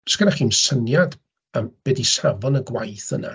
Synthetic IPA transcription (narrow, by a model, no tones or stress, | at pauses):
skədaχiːmsənjad | əmb̥ɛdisavɔnəɡwajθə̰na̰